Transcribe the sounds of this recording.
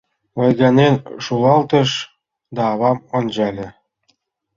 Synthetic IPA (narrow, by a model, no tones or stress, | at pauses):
ojɣɑnʲenʃulˠɑlˠt̪ɤ̆ʃ | d̪ɑːβɑmond͡ʑɑlʲĕ